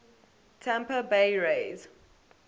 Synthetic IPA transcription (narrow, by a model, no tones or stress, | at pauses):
tʰɛ̃mpəbeɪɹeɪz̥